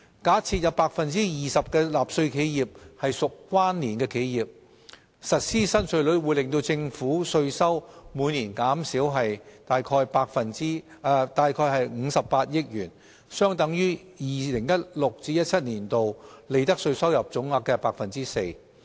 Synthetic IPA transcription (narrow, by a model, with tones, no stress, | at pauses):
kaː˨˥t͡sʰiː˧t̚jɐ˨˧wpaː˧k̚fɐ˨nt͡siː˥jiː˨sɐ˨p̚kɛː˧laː˨p̚sɵ˧ɥkʰe˨˥jjiː˨˩p̚hɐ˨jsʊ˨kkːwaː˥nniː˨˩nkɛː˧kʰe˨˥jjiː˨˩p̚ | sɐ˨t̚siː˥sɐ˥nsɵ˧ɥlɵ˨˧˥ɥwuː˨˧jlɪ˨ŋt̪o˧wt͡sɪ˧ŋfuː˨˥sɵ˧ɥsɐ˥wmuː˨˧jniː˨˩nkaː˨˥msiː˨˥wɦɐ˨jt̪aː˨jkʰɔː˧jpaː˧k̚fɐ˨ni˥ | t̪aː˨jkʰɔː˧jɦɐ˨jŋ̩˨˧sɐ˨pːaː˧t̚jɪ˥k̚jyː˨˩n | sœː˥ŋt̪ɐ˨˥ŋjyː˥ | jiː˨lɪ˨˩ŋjɐ˥t̚lʊ˨k̚t͡siː˨˥jɐ˥t̚t͡sʰɐ˥t̚niː˨˩nt̪o˨wle˨˧jt̪ɐ˥k̚sɵ˧ɥsɐ˥wjɐ˨p̚t͡sʊ˨˥ŋaː˧kːɛː˧paː˧k̚fɐ˨nt͡siː˥se˧j